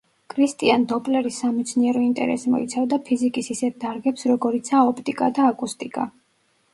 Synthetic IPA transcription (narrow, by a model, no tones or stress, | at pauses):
kʼʰɾist̪ʼiand̪ɔpʼlɛɾisːamɛt̪sʰniɛɾɔint̪ʼɛ̰ɾɛ̰simɔ̰it̪sʰavd̪apʰizikʼisisɛt̪̚d̪aɾɡɛpsɾɔɡɔɾit̪sʰaɔpʰt̪ʼikʼad̪aːkʼust̪ʼikʼa̰